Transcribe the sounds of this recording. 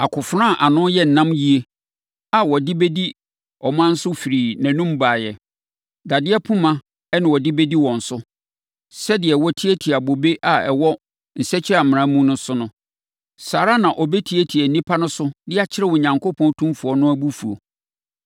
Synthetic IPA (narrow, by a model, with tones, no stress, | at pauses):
a˨kʰʊ˨fɾã˦˨ʔa˨nʊ̃˦jɛ˦n̩˨nã˦mji˦e˦ | a˨wɔ˨dɪ˦be˦di˦ | ɔ˨mã˦n̩˦sʊ˦fi˨ɾiː˨næ̃˨nũ˦m˦baː˨jɛ˨ | da˨dɪ˦ɛ˦pʰũ˦mã˦ | ɛ˦nɪ̃˨wɔ˨dɪ˦be˦di˦wɔ̃˨n̩˨sʊ˦ | sɛ˦dɪ˨ɛ˨wɔ˦tʰi˦e˦tʰi˨a˨bo˨be˦ʔa˨ɛ˨wɔ˦ | n̩˨sɛ˦t͡ɕʰɪ˦ɾa˨mɪ̃˨ɾã˦mũ˦nʊ̃˦sʊ˦nʊ̃˦ | saː˨ɾa˦nã˨ʔɔ˨bɛ˦tʰi˦e˦tʰi˨æ˨n̩˨nĩ˦pʰa˦nʊ̃˦sʊ˦dɪ˦a˨t͡ɕʰɪ˦ɾɛ˦˨wɔ˨ɲã˨ŋko˦pʰɔ̃˦tʰũ˦mfu˨ɔ˨˦nʊ̃˦æ˦bu˦fu˨o̰˨